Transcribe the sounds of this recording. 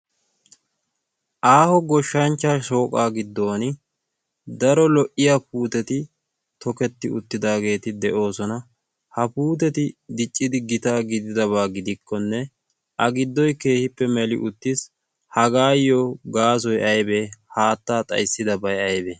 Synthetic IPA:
ʔaːhɔɡɔʃːɐnt͡ʃːaːʃo̞ːkʼaːɡɪd̪ːo̞ːnɪ | d̪ɐɾɔlɔʔɪjapuːt̪ɛt̪ɪ | t̪ɔkɛt̪ːɪʊ̰t̪ːɪd̪aːɡe̞ːt̪ɪd̪ɛʔo̞ːsɔnɐ | hɐpuːt̪̬ɛt̪ɪd̪ɪt͡ʃʼːɪd̪ɪɡɪt̪aːɡɪd̪ɪd̪ɐβaːɡɪd̪ɪkʰːɔnːɛ | ʔɐɡɪd̪ːɔjke̞ːhɪpːɛmɛlɪ̰ʔʊt̪ːɪs | hɐɡaːjːɔɡaːs̬ɔjɐjbe̞ːhaːt̪ːaːt̪ʼɐ̰jsːɪd̪ɐbɐjɐjbeː

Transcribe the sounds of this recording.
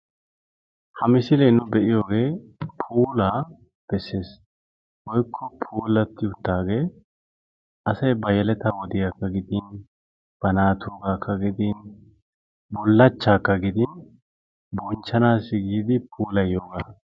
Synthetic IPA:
hɐmɪsɪlɛnʊbɛʔɪjo̞ːɡe̞ːpʰuːlaː | b̥ɛsːe̞ːs | wɔjkʰːɔpʰuːlɐt̪ːɪʊt̪ːaːɡe̞ː | ʔɐsɐjbɐjɛlɛt̪ɐwɔd̪ɪjaːkːɐɡɪd̪ɪn | b̥ɐnaːt̪ʰoːɡaːkʰːɐɡɪd̪ɪn | bɔlːɐt͡ʃːaːkːɐɡɪd̪ɪn | bɔnt͡ʃːɐnaːsːɪɡiːd̪ɪpʰuːlɐjjoːɡaː

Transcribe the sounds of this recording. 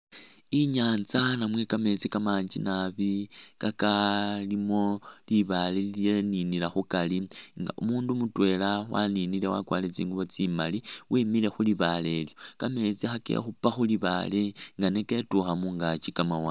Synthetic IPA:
iɲaːnt͡sanamwe̞kame̞t͡sikamaːɲd͡ʒḭnaβikakalimo̞liβalelileninilaxukaliŋɡa̰ʔumuːndumutwe̞lawa̰ninile̞wa̰kwa̰ːlet͡sḭːŋɡuβo̞t͡simaliwiːmile̞xuliβale̞ljo̞kame̞t͡sixakḛxupaxuliβa̰le̞ŋɡane̞ke̞tuxamuŋɡat͡ʃikamawa

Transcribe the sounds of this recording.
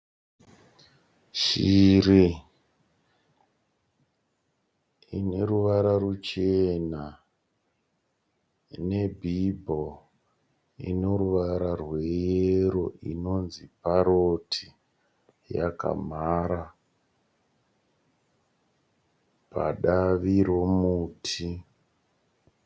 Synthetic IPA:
ʃiɾi | ḭne̞ɾuʋaɾaɾut͡ʃe̞na | ne̞bʱibʱo | ḭnoɾuʋaɾarwe̞jeɾo̞ʔḭno̞nzipaɾotʰi | ja̰ka̰maɾa | pa̰ɗaʋiɾomuːtʰi

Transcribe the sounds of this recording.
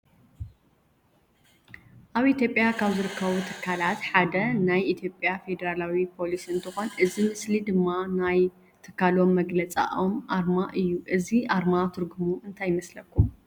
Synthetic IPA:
ʔaβit̪ʰjo̞pʼjakʰaβzɨɾɨkʰːɐβut̪ʰɨ̥kʰːalat̪ħad̪ɐnajʔit̪ʰjo̞pʼjafe̞d̪ɐɾalawipʰo̞lisɨnt̪ʰɨxo̞nʔɨzimɨslid̪ɨmːanaj | t̪ʰɨ̥kʰːalo̞mːɐɡlɐt͡sʼa̰ʔomʔaɾmaʔɨjːuʔɨziʔaɾmat̪ʰɨɾɡumuʔɨnt̪ʰajɪmɐslɐkːum

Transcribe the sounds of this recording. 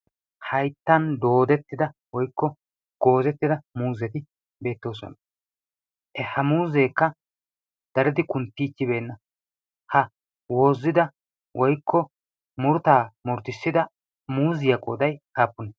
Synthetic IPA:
hɐjt̪ːɐnd̪o̞ːd̪ɛt̪ːɪd̪ɐwɔjkːɔ | ɡ̥o̞ːzɛt̪ːɪd̪ɐmuːzɛt̪ɪ | be̞ːt̪ːo̞ːsɔ̰nɐ | ʔɛhɐmuːzeːkːɐ | d̪̥ɐɾɛd̪ɪkʊnt̪ːiːt͡ʃːɪbe̞ːnːɐ | hɐ | wo̞ːzːɪd̪ɐ | wʔɔjkʰːɔ | mʊɾʊt̪aːmʊɾt̪ɪsːɪd̪ɐ | muːzɪjɐkʼoːd̪ɐjkaːpːʊnɐ

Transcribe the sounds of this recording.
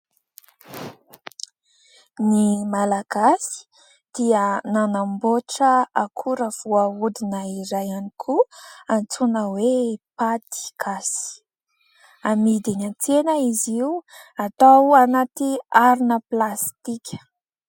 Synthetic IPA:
nimalaɡ̥asi̥ | d̪̥iənanamboʈ͡ʂəakʰuɾəv̥uaud̪inəiɾajanikʰuant͡sunəwepat̪i̥kʰasi̥ | amid̪inant͡senəiziuat̪awanat̪iaɾinəplast̪ikʲə̥

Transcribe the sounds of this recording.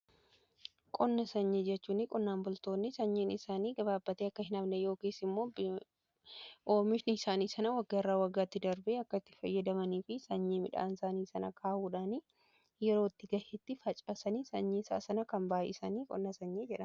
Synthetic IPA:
kʼɔnːɐsɐɲːeːd͡ʒɛt͡ʃːuːnːɪkʼɔnːaːmbʊlt̪o̞ːnːɪsɐɲːeːnɪsaːniːɡɐbaːbːɐt̪eːɐkːɐɦɪnɐbnɛjo̞ːkiːsɪmːo̞ːb | ʔoːmɪʃnɪsaːniːsɐnɐwɐɡːaɪrːaːwɐɡːaːt̪ːɪd̪ɐɾbeːɐkːɐɪt̪ːɪ̥fɐjːɐd̪ɐmɐniːfɪsɐɲːeːmɪᶑa̰ːnsaːniːsɐnɐkʰaːhuːᶑaːniː | jɛɾoːɪt̪ːɪɡɐhɪt̪ːɪfɐt͡ʃʼɐsɐniːsɐɲːiːsa̰ːsɐnɐkɐmbaːʔɪ̰sɐniːkʼɔ̰nːɐsɐɲːeːd͡ʒɛᶑɐn

